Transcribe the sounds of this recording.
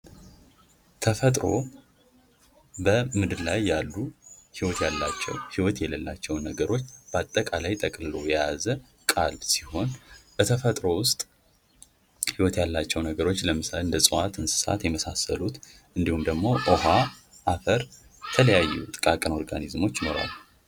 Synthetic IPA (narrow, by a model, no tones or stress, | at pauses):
t̪ʰəfət̪ʼɾo̞ | bəmɨd̪ɨlajːalːuhiwɔt̪jalːat͡ʃːɛ̰whiwɔt̪jɛləlːat͡ʃːɛwnəɡəɾo̞t͡ʃːb̥əat̪ʼːəkʼalajt̪ʼəkʼlɨlo̞jɛjazə | kʼalbsiho̞nbət̪ʰəfət̪ʼɾo̞wʊst̪ʼ | hiwɔt̪jalːat͡ʃːɛwnəɡəɾo̞t͡ʃːləmɨsalɨnd̪əsʼɨwat̪ɨnsɨ̥sa̰t̪jɛməsasə̰lut̪ | ʔɨnd̪ihumd̪əɡmo̞ʔoɦa | ʔafəɾ | ət̪ʰələjajːɛ̰t̪ʼɨkʼakʼəno̞ɾɡanizmo̞t͡ʃːjɪno̞̰ɾa̰lː